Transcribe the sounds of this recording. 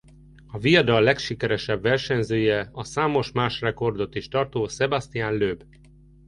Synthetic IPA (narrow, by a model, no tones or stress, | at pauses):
ɒvijɒd̪ɒlːɛkʃikɛɾɛʃɛbvɛrʃɛɲzøːjɛɒsaːmo̞ʃmaːʃrɛko̞rd̪o̞t̪iʃt̪ɒrt̪oːsɛbast̪ijaːnløːb